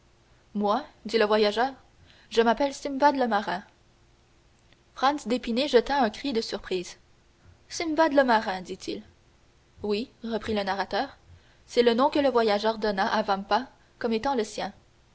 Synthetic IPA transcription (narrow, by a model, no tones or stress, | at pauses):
mwad̪iləvwajaʒœːʁ | ʒəmapɛlsimvad̪ləmaʁɛ̃ | fχɑ̃nsd̪epineʒət̪aɛ̃kχid̪əsyʁpχiːz̥ | simvad̪ləmaʁɛ̃d̪it̪ʰil | wiʁəpχilənaʁat̪œːʁ | sɛlənɔ̃kələvwajaʒœːʁd̪ɔnaʔavãmpa | kɔmet̪ɑ̃ləsjɛ̃